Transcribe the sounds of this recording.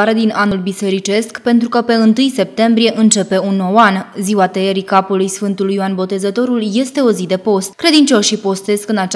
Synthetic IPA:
aɾe̞d̪inanulbise̞ɾit͡ʃe̞skpe̞nt̪ɾukəpe̞ɨnt̪ɨjse̞p̚t̪e̞mbɾije̞ʔɨnt͡ʃe̞pe̞unːo̞wanziwat̪eeɾikapulujsfɨnt̪ulujoanbo̞t̪e̞zət̪o̞ɾulje̞st̪e̞o̞zid̪e̞po̞st̪̚kɾe̞d̪int͡ʃo̞sʃipo̞st̪e̞skɨnat͡ʃ

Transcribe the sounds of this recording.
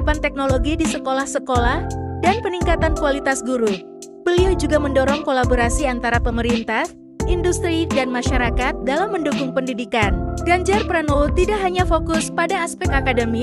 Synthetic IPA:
pant̪ɛk̚noloɡidisəkolahsəkolahdanpəniŋkat̪ankualit̪asɡuɾu | b̥əliud͡ʒuɡaməndɔɾɔŋkolaboɾasiant̪aɾapəməɾint̪ah | indust̪ɾidanmaʃaɾakat̪̚dalamːəndukʊŋpəndidikanɡaɲd͡ʒarpɾanɔlt̪idaʔɦaɲafokʊspadaːspɛk̪̚akadəmi

